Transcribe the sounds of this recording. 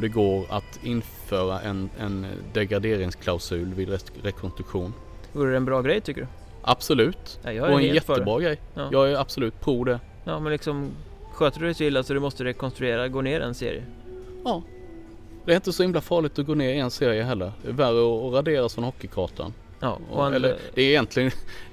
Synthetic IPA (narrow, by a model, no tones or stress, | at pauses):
ɔd̪ɛɡoːɾa̰t̪ɪnføːɾaʔɛ̰nɛ̰nd̪ɛɡɾad̪eːɾɪŋskʰlaʊsʉ̟ːlvɪd̪ɛ | ɾɛkʰɔnst̪ɾɵkɧuːn | voːɾəd̪ɛnbɾɑːɡɾɛjt̪ʏkːədɵ | ʔa̰b̥sɔlʉ̟ːt̪ajɑːhaɾɛnjɛt̪ːəbɾɑːɡɾɛjjɑːjɑːɡæɾab̥sɔlʉ̟ːt̪̚pʰɾuːd̪ɛ | jɑːmɛnlɪksɔmɧøːt̪ədɵdɛsɔɪlːasɔd̪ɵmɔst̪əɾɛkɔnst̪ɾɵeːɾaɡoːneːɾɛ̰nsḛːɾɪ̰ə | ɑː | d̪ɛæɾɪnt̪əsɔhɪmlafɑːɭɪt̪ɔɡoːneːɾɪɛnseːɾɪəɦɛlːəɾd̪ɛværəɔːɾad̪eːɾasfɾɔnhɔkːɪkʰɑːʈʰa̰n | ʔɑ̰ːɔ̰hanɛlːəɾɛæɪjɛnt̪ʰlɪɡən